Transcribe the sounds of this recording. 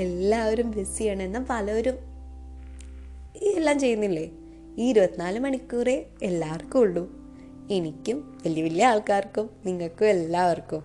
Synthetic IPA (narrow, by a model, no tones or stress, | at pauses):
e̞lːaːʋoɾumʋesijaːɳe̞nːapɐlɐoɾum | ielːaːmt͡ɕe̞jːunːilːe̞ | iːiɾubɐt̪ːinaːlumɐɳikʲːuːre̞elːaːrkːumuɭːu | enikʲːumʋɐlijɐʋiljɐaːɭkaːrkːumniŋːɐɭkːumelːaːʋɐrkːum